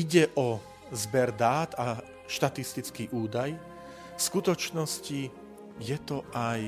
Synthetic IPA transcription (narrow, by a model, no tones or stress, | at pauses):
iɟɛʔɔ | zbɛɾd̪aːt̪a | ʃt̪at̪ist̪it͡skiʔuːd̪aj | fskut̪ɔt͡ʃnɔsci | jɛt̪ɔʔaj